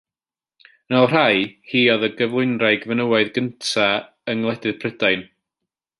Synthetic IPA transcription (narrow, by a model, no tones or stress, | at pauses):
nɔlˠr̥ajhiːɔðəɡəvlˠʊjnraɨɡəvənəwaɨðɡəntʰa | əŋlˠɛdɨð̥pʰrədaɨn